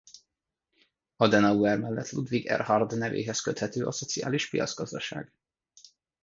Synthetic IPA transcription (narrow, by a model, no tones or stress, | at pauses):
ɒd̪ɛnɒuɛrmɛlːɛt̪lud̪ʋiɡɛ̰rhɒrd̪nɛvḛːɦɛskøt̪hɛt̪øːʔɒso̞t̪sia̰ːliʃpijɒ̰d̪zɡɒzd̪ɒʃa̰ːɡ̥